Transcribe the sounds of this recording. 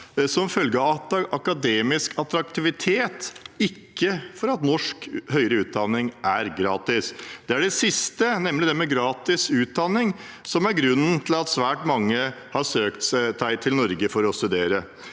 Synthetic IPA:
sɔmfœlɡəɑʔɑkɑd̪eːmɪskʰɑt̪ɾɑk̚t̪ɪʋɪt̪ʰeːt̪ɪkːəfɔɾɑt̪nɔʂkhœʏɾəʉːt̪̚d̪ɑnːɪŋʔæɾɡɾɑːt̪ɪsd̪̥ɛæɖɛsɪst̪ənɛmlɪd̪ɛmɛɡɾɑːt̪ɪsʉːt̪̚d̪ɑnːɪŋsɔmæɾɡɾʉnːən̩t̪ʰɪlɑt̪sʋæːʈmɑŋːə | hɑsøːkt̪ssæɪt̪ʰɪlnɔɾɡəfɔɾɔst̪ʉd̪eːɾə

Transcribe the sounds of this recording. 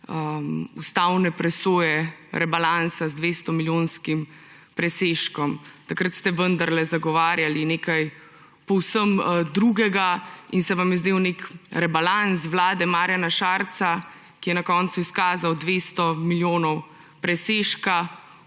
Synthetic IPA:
əust̪awnɛpɾɛsoːjɛɾʔɛbalansazd̪ʋest̪ɔmiljonskim | pɾɛseʃkɔmt̪akɾət̪st̪ɛʋənd̪aɾlɛzaɡɔʋaːɾjalineːkaj | pɔwsəmd̪ɾuɡɛɡainsɛʋamjɛzd̪eːwnekɾɛbalans̬ʋlaːd̪ɛmaːɾjanaʃaːɾt̪sa | kijɛnakɔnt̪suiskaːzawd̪ʋeːst̪ɔmiljoːnɔw | pɾɛseːʃka

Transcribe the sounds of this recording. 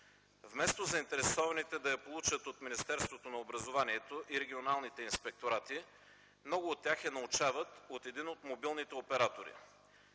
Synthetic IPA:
vmɛst̪ozɐint̪ɛɾɛsɔvɐnit̪ɛd̪ɐjɐpolˠut͡ʃət̪ot̪minist̪ɛɾst̪vot̪onɐobɾɐzovaniɛt̪oʔiɾɛɡʲionalˠnit̪ɛinspɛk̚t̪oɾat̪i | mnɔɡʊːt̪ːʲjaxɛnɐut͡ʃavɐt̪ot̪ɛd̪inot̪mobilˠnit̪ɛopɛɾat̪oɾḭ

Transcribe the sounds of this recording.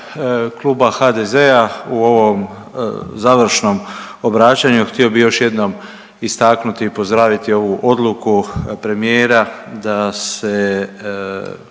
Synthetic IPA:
klˠuːbaxad̪eze̞auo̞ʋo̞m | zaːʋɾ̩ʃno̞m | obɾaːt͡ɕaɲuxt̪io̞bijo̞ʃje̞d̪no̞m | ist̪aknut̪iːpo̞zd̪ɾaːʋit̪io̞ʋuʔo̞d̪lˠukupɾe̞mije̞ːɾad̪ase

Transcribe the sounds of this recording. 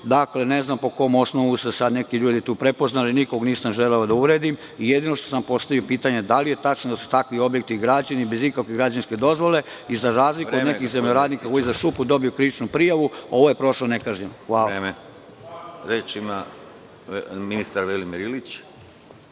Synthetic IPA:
d̪akle̞ne̞znampo̞ko̞mo̞snoʋusesad̪ne̞kiʎuːd̪it̪uːpɾe̞po̞znaliniko̞ɡniːsamʒeleod̪auɾe̞d̪im | ijed̪inoʃt̪osampo̞st̪aʋiopiːt̪aɲe̞d̪alije̞t̪at͡ʃnod̪asu̥t̪akʋio̞bje̞k̚t̪iɡɾad͡ʑanibe̞zikakʋeɡɾad͡ʑanske̞d̪o̞zʋo̞le̞ | izaɾaːzlikod̪nekixzemʎoɾaːd̪niːkakojizaʃupud̪o̞bijukɾiʋit͡ʃnupɾijaʋuo̞ʋo̞je̞pɾo̞ʃlonekaːʒɲemxʋaːleme | ɾeːt͡ʃima | minist̪aɾʋelimiɾilit͡ɕ

